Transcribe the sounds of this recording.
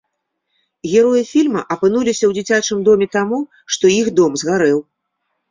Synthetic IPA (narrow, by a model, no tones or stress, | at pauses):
ɣʲɛɾɔjifʲilʲmɐʔɐpɨn̪ulʲisʲɐwd͡zʲit͡sʲat͡ʂɨmd̪ɔmʲɛt̪amu | ʂt̪ɔjixd̪ɔmzɣaɾɛw